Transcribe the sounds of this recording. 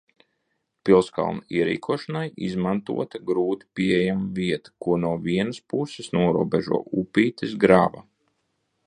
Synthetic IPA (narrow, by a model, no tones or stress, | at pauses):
pilˠska̰lˠnaiɛɾḭːkʰuɔʃanajḭzmant̪ṵɔt̪aɡɾuːt̪i̥piejamviɛt̪ḁkuɔnuɔviɛnəspusɪsnuɔɾṵɔbɛʒṵɔʔupiːt̪esɡɾaːva̰